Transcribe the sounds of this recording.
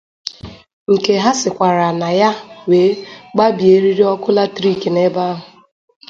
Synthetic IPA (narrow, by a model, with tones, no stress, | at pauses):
ŋ̩˨ke˨ɦa˦sɪ˨kʷa˨ɾa˨na˨ja˦weː˨˦ɡ͡ba˦bje˨˦ɾi˦ɾi˦ɔ˦kʊ˦la˦tɾi˦˨ke˨ne˦ba˦ɦʊ˨